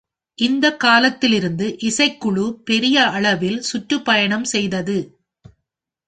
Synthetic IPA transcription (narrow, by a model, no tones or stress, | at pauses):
ʔɪnd̪ɐkːaːlɐt̪ːɪlɪɾɯnd̪ɯʔɪsɐɪkːʊɭupɛɾɪjɐɐɭɐʋɪlsʊʈrɯpːɐjɐɳɐmsɛjðɐðɯ